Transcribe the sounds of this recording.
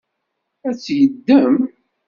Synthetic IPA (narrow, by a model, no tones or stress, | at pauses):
æt͡sːjəd̪ːəm